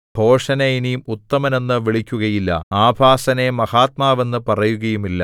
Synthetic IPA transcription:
b̥ʱo̞ːʂɐnɐinijumut̪ːɐmɐne̞nːɨʋiɭikʲːuɣɐjilːɐ̰aːbʱaːsɐne̞mɐhaːt̪̚maːʋe̞nːɨpɐrɐjuɣɐjumilːɐ

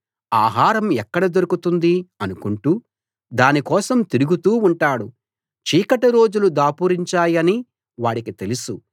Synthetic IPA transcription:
aːɦaːɾɐmɛkːɐɽɐd̪o̞ɾukut̪und̪iɐnukuɳʈuː | d̪aːnikɔːsɐmt̪iɾuɡut̪uːuɳʈaːɽu | t͡ʃiːkɐʈɐɾo̞ːd͡ʒulud̪aːpuːɾiɲt͡ʃaːjɐni | ʋaːɽikit̪e̞lusu

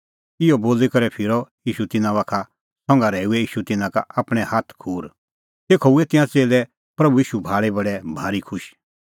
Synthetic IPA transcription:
ɪɔboːlikɐɾɛpʰɪɾɔjiːʃut̪ɪnãʋaːkʰa | sɔ̃ŋɡaɾɛːuɛiːʃut̪ɪnãka̰apɽ̃ɛ̃haːt̪ʰkʰuːɾ | t̪eːkʰouɛt̪ɪ̃ãt͡seːlɛ | pɾɐbuiːʃubʱaːɭɛbɐɽɛbʱaːɾikʰʊʃ

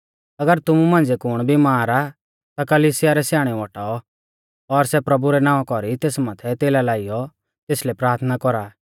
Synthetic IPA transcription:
ɐɡəɾt̪ʊmumãːnd͡zekʊɽ̃bʱimaːɾa | t̪akɐliːsɪjaɾɛsjaːɽ̃ɛ̃ɔʈaːɔ | ɔɾsɛpɾɐbuɾɛnãːɔ̃kɔɾit̪eːsmaːt̪ʰɛt̪eːlalaːijɔ | t̪eːslɛpɾaːɾt̪ʰnakɔɾaː

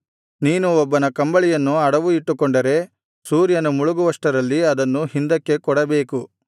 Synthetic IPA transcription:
niːnuɔbːɐnɐkɐmbɐɭijɐnːuɐɽɐʋuiʈːukɔɳɖɐɾe̞ | suːɾjɐnumuɭuɡuʋɐʂʈɐɾɐlːiɐd̪ɐnːuhind̪ɐkːe̞kɔɽɐbe̞ːku

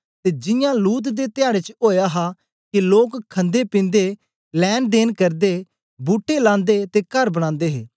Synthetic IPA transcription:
t̪ed͡ʒɪ̃jãluːt̪̬d̪et̪ɪjaːɽet͡ʃoːjaɦa | kiloːkkʰːɐ̃nd̪epĩːnd̪e | lɛːnd̪eːnkɐɾd̪e | buːʈːelãːnd̪et̪ekɐɾbəɽ̃ãːnd̪eːɦeː

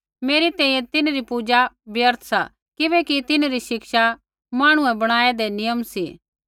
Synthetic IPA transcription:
meːɾit̪ɛ̃ːĩːjɛ̃t̪ɪnɾipud͡ʒabɪjəɾt̪ʰsa̰ | kɪʋɛːkit̪ɪnɾiʃɪkʃa | maːɽ̃ʊ̃ɛ̃bɐɽ̃aːɛd̪enɪjəmsḭ

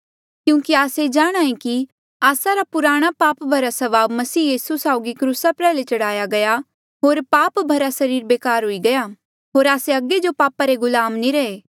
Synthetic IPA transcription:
kjũːkiaːsed͡ʒaːɽ̃aːẽki | aːsaɾapʊɾaːɽ̃apaːpbʱɐɾasɐʋaːbmɐsiːjiːsusaːʊɡikɾuːsapɾɛːlet͡ʃɐɽaːjaɡɐja | ɦoːɾpaːpbʱɐɾasɐɾiːɾbeːkaːɾɦʊiɡɐja | ɦoːɾaːseɐɡed͡ʒopaːpaɾeɡʊlaːmniɾɐeː

